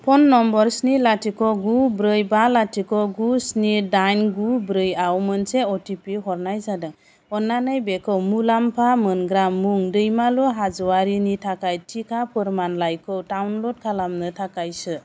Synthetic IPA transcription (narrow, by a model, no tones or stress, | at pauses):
pʰɔnːɔmbɔɾsnilatʰikɔɡubɾɯjbalatʰikɔɡusnidajnɡubɾɯjawmɯnseɔtipiɦɔɾnajsadɯŋ | ɔnːanɯjbekʰɔwmulampʰamɯnɡɾamːuŋdɯjmaluɦazɔaɾinitʰakajtʰikʰapʰɯɾmanlajkʰɔwtawnlɔd̚kʰalamnɯtʰakajsɯ